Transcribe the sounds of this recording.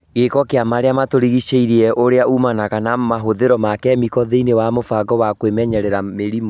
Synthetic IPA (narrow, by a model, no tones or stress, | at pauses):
ɣekɔkeamaɾeamatoɾiɣiʃeiɾiɛʔoɾeaumanaɣanamaɦoðeɾɔmakɛmikɔðeinewamofaɡɔwakwemɛɲɛɾɛɾameɾimɔ